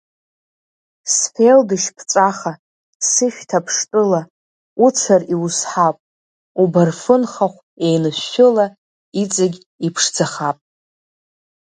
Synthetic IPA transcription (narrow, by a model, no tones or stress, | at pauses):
sfeldɨʃpʰt͡sʼaχa | sɨʃᶣtʰapʰʂtʼɨla | ut͡sʰariwusħapʼ | ubarfɨnχaχʷ | ejnɨʃːʊla | it͡sʼaɡʲ | ipʰʂd͡zaχapʼ